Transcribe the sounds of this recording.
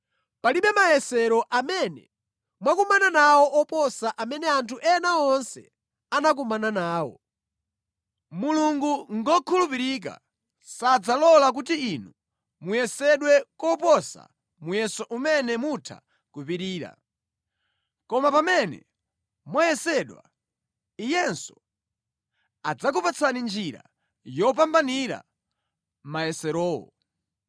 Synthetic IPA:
paliɓɛmajɛsɛɾɔʔamɛnɛ̰ | mwakumananawɔʔɔpɔsaʔamɛnɛantʰuʔɛnaɔnsɛ̰ | anak̬umananaːwɔ̰ | muluŋɡuŋɡɔkʰulupiɾik̬a̰ | sad͡zalɔlak̬utiinu | mujɛsɛɗwɛkɔpɔsa̰ | mujɛsɔʔumɛnɛmutʰa̰ | kupiɾiːɾa̰ | kɔmapamɛnɛ̰ | mwajɛsɛɗwa̰ | ijɛnsɔ̥ | ad͡zak̬upat͡sʰanind͡ʒiɾa̰ | jɔp̬ambaniɾa̰ | majɛsɛɾɔːwɔ̰

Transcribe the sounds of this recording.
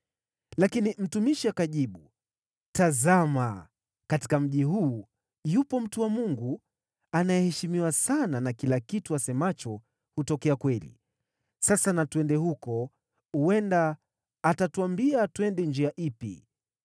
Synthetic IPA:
lakinim̩tumiʃiakaʄiɓu | tazama | kati̥kam̩ʄiɦuː | jupɔm̩tuwamuŋɡu | anajɛhɛʃimiwasananakilakituasɛmat͡ʃɔ | hutɔkɛakwɛlḭ | sasanatuɛndɛhukɔ | huɛndaː | tatuambiatuɛndɛnd͡ʒiaʔipḭ

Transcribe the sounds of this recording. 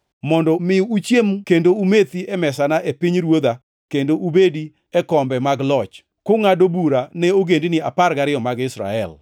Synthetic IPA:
mɔndɔmɪuut͡ʃjemkendoumet̪iɛmɛsanaʔepiɲɾwod̪a | kendoʔubedi | ɛkɔmbɛmaɡlɔt͡ʃ | koŋadobuɾanɛoɡendinɪapaɾɡaɾɪjɔmaɡɪsɾa̰ɛ̰l

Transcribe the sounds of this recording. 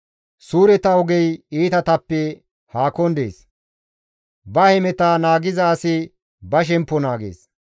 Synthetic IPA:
suːɾɛt̪ɐɔɡɛjiːt̪ɐt̪ɐpːɛ | haːkɔnd̪ḛːs | bɐhɛmɛt̪aːnaːɡɪzɐːsɪ | bɐʃ̬ɛmpːɔnaːɡḛːs

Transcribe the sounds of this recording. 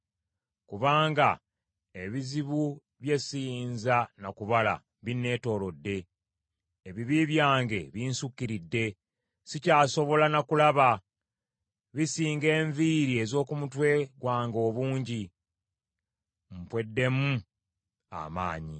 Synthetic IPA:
kuβaːŋɡa | e̞βiziβu | βje̞sinzanakuβala̰ | βine̞ːto̞ːlo̞dːe̞ː | βiβiβjaːŋɡe̞βiːnsukːiɾidːe̞ | sicaːso̞βo̞lanakulaβa | βisiːŋɡe̞ːɱviːɾie̞zo̞ːkumutwe̞ɡwaːŋɡo̞ːβuːɲɟi | m̩pwe̞dːe̞mu | a̰ma̰ːɲḭ

